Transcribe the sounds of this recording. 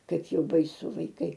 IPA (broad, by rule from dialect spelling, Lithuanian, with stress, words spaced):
ˈkɐɪp ˈjɛʊ bɐɪˈsʊ ʋɐɪˈkɐɪ